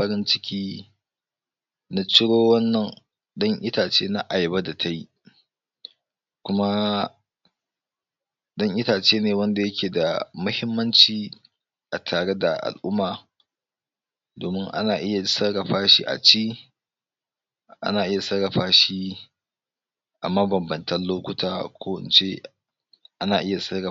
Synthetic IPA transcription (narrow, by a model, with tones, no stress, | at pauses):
ɐ˦ɾɪ˦nt͡ʃɪ˦kʲiː˦ | na˦t͡ʃɪ˦ɽoː˦wɐ˦nːɐ˨n | ɗɐ˦ŋʔɪ˦taː˨t͡ʃeː˦na˦ʔa˨jba˦da˨tʰa˦ji˦ | kʷʊ˦ma˦ | ɗɐ˦ŋʔɪ˦taː˨t͡ʃeː˦neː˨wɐ˦nda˨jɐ˦kʲʰeː˨da̰˨mʊ˦hɪ˦mːɐ˦nt͡ʃiː˨ | ʔa˨tʰaː˨ɽe˦da˨ʔa̰˨lʔʊ˦mːaː˨ | doː˨mɪ˦ŋʔa̰˦naː˨ʔɪ˦ja˨˦sɐ˦ɽɐ˨ɸaː˦ʃḭ˦ʔa̰˨t͡ʃiː˦ | ʔa̰˦naː˨ʔɪ˦ja˨sɐ˦ɽɐ˨ɸaː˦ʃi˦ | ʔa̰˨mɐ˦bɐ˨mbɐ˨ntɐ˦nloː˦kʷʊ˦tʰaː˦kʷoː˦wɪ̰˨nt͡ʃe˦ | ʔa˦naː˨ʔɪ˦ja˨sɐ˦ɽɐ˨